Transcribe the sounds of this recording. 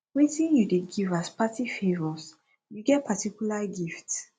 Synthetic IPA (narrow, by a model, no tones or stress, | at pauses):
witĩnjudeɡivaspatifevɔs | juɡɛt̚pʰatikjulaɡift